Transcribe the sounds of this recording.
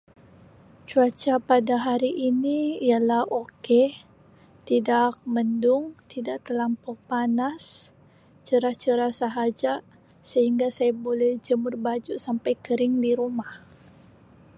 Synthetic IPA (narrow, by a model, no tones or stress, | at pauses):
t͡ʃuat͡ʃapadaɦaɾiʔiniːjalahoke | t̪idak̚məndʊŋt̪idaʔ̚t̪əlampɔpanas | t͡ʃəɾaht͡ʃəɾasaɦad͡ʒa | səɦiŋɡasajabolɛhd͡ʒəmʊrbad͡ʒuʔsampajkəɾɪŋdiɾumah